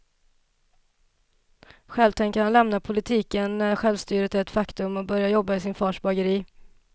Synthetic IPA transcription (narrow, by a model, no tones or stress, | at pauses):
ɧɛlvt̪ʰɛŋkəhanlɛmnapʰʊlɪt̪ʰiːkənːæɧɛlvst̪yːɾət̪ɛt̪fakt̪ɵmɔbœɾjajɔbːaɪsɪnfɑːʂbaɡəɾiː